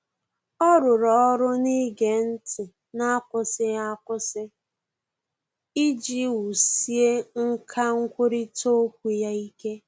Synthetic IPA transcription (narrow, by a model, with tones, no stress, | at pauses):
ɔ˦ɾʊ˨ɾɔ˨ɔ˦ɾʊ˦ni˦ɡe˨n̩˦tɪ˨ | na˦kʊ˦sɪ˦ɣa˦kʊ˦sɪ˦ | i˦d͡ʒi˦wu˨si˦e˦ŋ̩˦kʰa˦ŋ̩˦kʷʊ˦ɾi˦to˦kʷu˨ja˦i˦ke˦